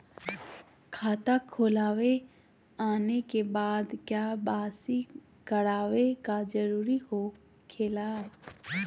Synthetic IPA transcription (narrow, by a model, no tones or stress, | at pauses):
kʰaːt̪akʰoːlaːʋe | aːnekebaːd̪kjaːbaːsi | kəɾaːʋekad͡ʒəɾuːɾiho | kʰeːlaː